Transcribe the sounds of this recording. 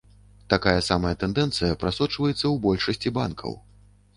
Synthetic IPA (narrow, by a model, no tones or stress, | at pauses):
t̪akajɐsamɐjɐt̪ɛnd̪ɛnt̪sɨjɐpɾasɔt͡ʂvɐjɛt̪sːɐwbɔlʲʂɐsʲt͡sʲiba̰nkʰɐ̰w